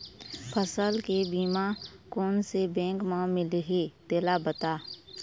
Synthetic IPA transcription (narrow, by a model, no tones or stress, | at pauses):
pʰəsəlkebiːmakɔːnsebɛ̃ːŋkmãmɪlɦet̪eːlabət̪aː